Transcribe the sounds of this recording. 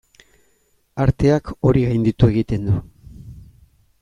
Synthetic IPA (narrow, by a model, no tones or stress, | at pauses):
aɾt̪e̞ako̞ɾiɣajnd̪it̪ue̞ɣ̞it̪e̞nd̪u